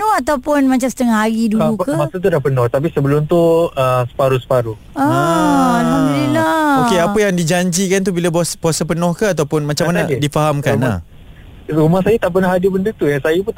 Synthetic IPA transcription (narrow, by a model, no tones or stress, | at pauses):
nɔat̪awpʊnmat͡ʃamsə̥t̪əŋaɦaɾidulukəmasat̪̬udapənɔht̪ap̬isəbəlʊmt̪uəmsə̥paɾusə̥paɾu | aalhamdunilaokeapəjaŋdid͡ʒaɲd͡ʒikant̪ubilabasbuasapənɔhkəat̪̬awpʊnmat͡ʃamːanadifaɦamkana̰ | rumahsajat̪aʔp̬ənaɦadibəndət̪ujasajapu